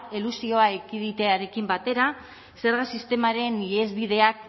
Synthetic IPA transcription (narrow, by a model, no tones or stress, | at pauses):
elusio̞aekiðit̪e̞aɾe̞kimbat̪e̞ɾa | se̞ɾɣ̞asist̪e̞maɾe̞niezβiðe̞ak̚